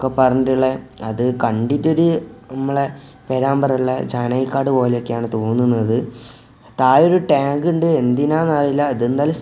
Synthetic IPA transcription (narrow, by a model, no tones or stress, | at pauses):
kːepɐrɐɲiʈuɭːeɐðɨkɐɳɖitːo̞ɾunɐmːɐɭe | peɾaːmbɐrɐɭːɐd͡ʑaːnɐjikːaːɽɨpo̞ːleo̞kːejaːɳɨt̪o̞ːnːunːɐðɨ | t̪aːjo̞ɾuʈaːŋɡuɳɖɨe̞nd̪inaːnarilːɐːðend̪aːlɐ